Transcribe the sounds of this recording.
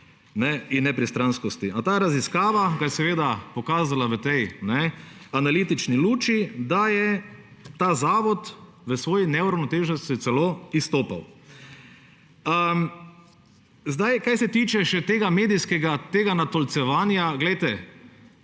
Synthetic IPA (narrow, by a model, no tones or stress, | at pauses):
nɛinːɛpɾist̪ɾanskɔst̪iʔat̪aːɾaziskaːʋaɡajɛsɛʋeːd̪apɔkaːzalaʋət̪ɛjnɛanaliːt̪it͡ʃniluːt͡ʃid̪ajɛ | t̪aːzaːʋɔt̪ | ʋəsʋoːjinɛuɾawnɔt̪eːʒnɔst̪it̪sɛloːist̪oːpa̰w | ə | zd̪ajkajsɛt̪iːt͡ʃɛʃɛt̪eːɡameːd̪ijskɛɡat̪eːɡanat̪ɔlt̪sɛʋaːnjaɡlɛjt̪ɛ